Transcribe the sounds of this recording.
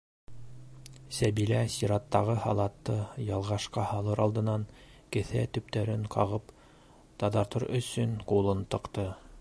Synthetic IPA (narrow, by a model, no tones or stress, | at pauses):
sæβilæsiɾɑt̪ːɑʁɤhɑlˠɑt̪ːɤjɑlˠʁɑʃqɑhɑlˠɤɾɑlˠd̪ɤ̆nɑŋ | kɘ̆θæt̪ɵ̆p̚t̪æɾɘŋqɑʁɤp | t̪ɑd̪ɑɾt̪ɤɾɵ̆sɵnqulˠɤnt̪ɤ̆qt̪ɤ